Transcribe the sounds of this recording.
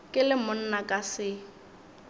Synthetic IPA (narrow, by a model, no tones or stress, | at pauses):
kʼɪlɪmʊn̩nakʼasɪ